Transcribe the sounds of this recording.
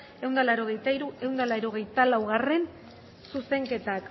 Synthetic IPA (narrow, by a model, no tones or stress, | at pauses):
e̞wnd̪alaɾo̞ɣ̞e̞jt̪aiɾue̞wnd̪alaeɾo̞ɣ̞e̞jt̪alawɣare̞n | suse̞ŋke̞t̪ak